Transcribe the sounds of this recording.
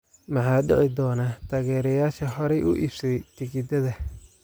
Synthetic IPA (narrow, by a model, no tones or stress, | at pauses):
mɑħɑːɖɛ̰ʕɪd̪ɔːnaːt̪ʰaːɣɛːɾɛjaːʃɐhɔɾɛjʔʊ̰ʔḭbsɛjt̪ʰɪɣɪd̪ɐðɐ